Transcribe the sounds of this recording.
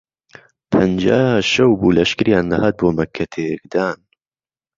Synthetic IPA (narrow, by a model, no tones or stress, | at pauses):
pʰɐnd͡ʒaːʃɐwbuːlɐʃkɨɾjaːnd̪ɐhaːt̪̚boːmɐkʰːɐt̪ʰekd̪aːn